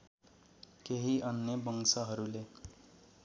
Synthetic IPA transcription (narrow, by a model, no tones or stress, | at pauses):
keɦiʔʌnjʌbʌŋsʌɦʌɾule